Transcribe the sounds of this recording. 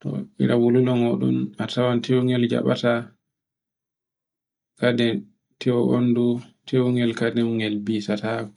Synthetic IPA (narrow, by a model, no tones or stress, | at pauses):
tɔ̰ʔḭɾawululɔmɔɗṵmatawantʰɛwŋɛld͡ʒa̰ɓa̰ta | kadɛn | tʰɛwʔo̰ndutʰɛwŋɛlkadɛŋɡɛlbiːsatakɔ̥